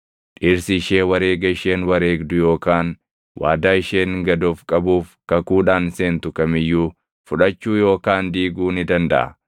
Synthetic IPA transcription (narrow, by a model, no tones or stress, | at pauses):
ᶑiːɾsɪːʃeːwɐɾeːɡɐɪʃe̞ːnwɐɾeːɡd̪ʊjo̞ːkaːn | wʔa̰ːd̪aːɪʃeːŋɡɐd̪oːfkʼɐbuːfkɐkuːᶑaːnseːnt̪ʊkɐmɪjːuː | fʊᶑɐt͡ʃːuːjo̞ːkaːnd̪iːɡuːnɪd̪ɐnd̪ɐ̰ʔɐ̰